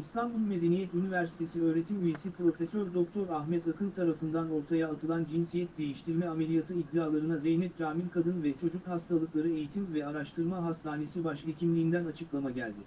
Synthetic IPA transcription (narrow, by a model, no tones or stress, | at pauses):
ist̪ʰanbulˠme̞d̪e̞nijɛt̪ynivæɾsi̥t̪ʰe̞siø̞ːɾe̞t̪ʰimyje̞sipɾo̞fɛsøɾd̪o̞k̚t̪ʰo̞ɾaxmɛt̪akʰɯnt̪ʰaɾafɯnd̪ano̞ɾt̪ʰajaːt̪ʰɯlˠand͡ʒinsijɛt̪̚d̪e̞jiʃt̪ʰiɾmɛame̞lʲijat̪ʰɯid̪ːiaːlˠaɾɯnazejnɛt̪̚d͡ʒaːmilʲkʰad̪ɯnvɛt͡ʃʰo̞d͡ʒukhast̪ʰalˠɯklˠaɾɯe̞jit̪ʰimvɛaɾaʃt̪ʰɯɾmaɦast̪ʰaːne̞sibaʃvecʰimlʲiːnd̪ænat͡ʃʰɯklˠamaɟælʲd̪ɪ